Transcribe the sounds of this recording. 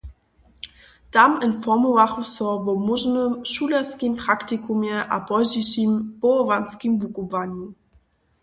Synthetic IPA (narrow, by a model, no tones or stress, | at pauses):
tamənfɔmuvaχusɔvɔmʊʒnəmʃulaskimpʁ̥aktikumjɛʔabɔʑiɕimb̥ɔɔvanskimvukuvaɲu